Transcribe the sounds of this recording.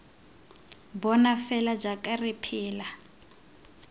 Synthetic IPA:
bɔnafɛlad͡ʒakʼarɪpʰiːla

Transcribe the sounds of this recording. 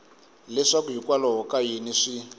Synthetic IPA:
lɛʂakuɦikwalɔɦɔkajiniʂi

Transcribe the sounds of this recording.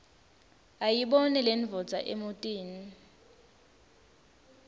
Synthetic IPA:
ajiɓɔnɛlenvʱɔdd͡z̥ʱaʔemutʼiːni

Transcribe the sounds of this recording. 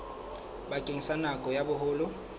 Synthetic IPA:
bakʼeŋ̩sanakʼɔjabʊɦʊːlʊ

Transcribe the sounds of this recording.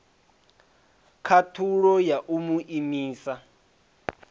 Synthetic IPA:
kʰatʰuɺɔjaʔumuʔimiːsa

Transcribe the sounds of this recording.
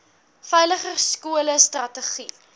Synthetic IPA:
fɛjləχərskuələstrɐtəχi

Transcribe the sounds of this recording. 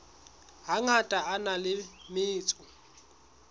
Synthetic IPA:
ɦaŋatʼaanalɪmɪːt͡sʼʊ

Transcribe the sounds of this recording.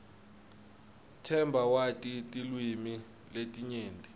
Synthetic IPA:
tʰɛmbʱawatʼitʼilwimi | letʼiɲeːntʼi

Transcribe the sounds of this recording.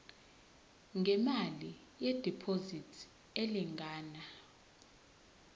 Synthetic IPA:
ŋʱɛmali | jɛd̥ʱipʰozitʰ | eliŋʱaːna

